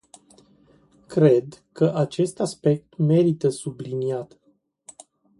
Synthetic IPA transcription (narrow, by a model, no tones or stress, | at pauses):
kɾe̞d̪kəʔat͡ʃe̞st̪aspe̞k̚t̪me̞ɾit̪əsubliniat̪